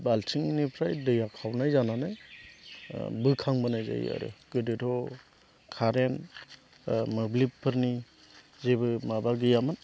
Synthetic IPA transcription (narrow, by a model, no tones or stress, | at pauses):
balsʰiŋnipʰɾajdɯjakʰawnajzananɯj | bɯkʰaŋbɯnajza̰ja̰ɾɯ̰ɡ̥ɯdɯtʰɔ | kʰaɾen | mɯblipʰːɯɾni | zebɯmabaɡɯjamɯn